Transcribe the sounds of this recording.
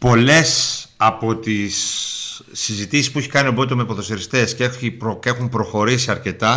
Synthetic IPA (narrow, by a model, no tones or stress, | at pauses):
po̞le̞sɐpo̞t̪isː | izit̪isispueçi̥kɐnioboit̪omepoθost̪eɾist̪e̞sceiɾoexumpɾo̞xo̞ɾisiɐɾce̞t̪ɐ